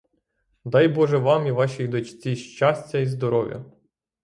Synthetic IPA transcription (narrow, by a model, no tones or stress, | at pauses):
d̪ɑjbɔʒɛʋɑmiʋɑʃijd̪ɔt͡ʃt͡sʲiʃt͡ʃɑsʲtʲɐizd̪ɔɾɔʋʲjɐ̰